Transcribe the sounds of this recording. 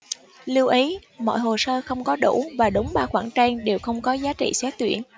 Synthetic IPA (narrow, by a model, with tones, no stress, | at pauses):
lɨ˧wʔə˨˦jmɔ̰˧˨jɦo˨˩səː˧xə˧wŋ͡mkɔ˨˦ɗṵ˧˩vaː˨˩ɗə˨˦wŋ͡mɓaː˧xwaː˧˩ŋt͡ɕaː˧ŋɗe˨˩wxə˧wŋ͡mkɔ˨˦zaː˨˦t͡ɕḭ˧˨sɛ˦˥t̚t̪wi˧˩ən